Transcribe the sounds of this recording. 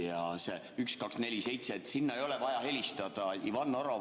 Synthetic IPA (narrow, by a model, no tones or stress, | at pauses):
jɑse | ykskɑksne̞lʲise̞jt̪se̞ːt̪ːˑsinːɑe̞jo̞lɛvɑjɑɦe̞lʲist̪ɑd̪̥ɑivɑnːoɾo